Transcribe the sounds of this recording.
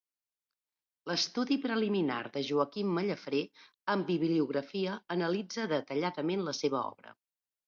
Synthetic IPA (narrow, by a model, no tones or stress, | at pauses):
ləst̪uðipɾəlimina̰rðəʒuəkimːəʎəfɾe | əmbiβliuɣɾəfiəːnəlid͡zəðət̪əʎaðəmenləseβ̞əɔ̰βɾə̰